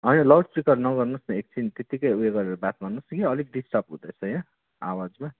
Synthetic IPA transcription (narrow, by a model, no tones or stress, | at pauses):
ɦʌjnʌlʌwɽprikʌrnʌɡʌrnusnʌek̚t͡sʰint̪et̪ikʌjueɡʌɾeɾobat̪bʱʌnːusɡiʌlik̚ɖisʈʌpɦṵ̃d̪ʌjt͡sʰʌjnʌ | a̰wad͡zma